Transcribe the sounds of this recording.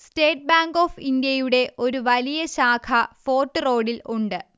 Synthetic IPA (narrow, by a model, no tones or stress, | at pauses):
sʈe̞ːʈ̚baːŋɡo̞ːfindjɐjuɽe̞ʔo̞ɾuʋɐlijɐɕaːkʰɐfo̞ːrʈːɨro̞ːɽiluɳɖɨ